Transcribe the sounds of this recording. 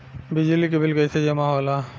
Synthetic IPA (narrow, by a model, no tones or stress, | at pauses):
bɪd͡ʒlikebɪlkɐɪsed͡ʒɐmaɦoːla